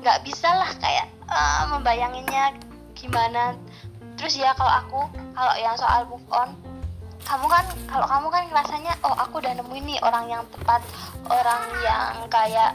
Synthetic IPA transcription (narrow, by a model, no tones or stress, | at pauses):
ŋɡaʔbisalahka̰ja̰ʔ | əmːəmbajaŋinɲa | ɡ̥imana | t̪əɾʊsjakaloʔakukalo̰jaŋsoʔa̰lbup̚ɔn | kamukankaloʔkamukanrasaɲaʔɔhakudanəmuiniʔo̰ɾaŋjaŋt̪ə̥pat̪̚ʔoɾaŋja̰ŋkajaʔ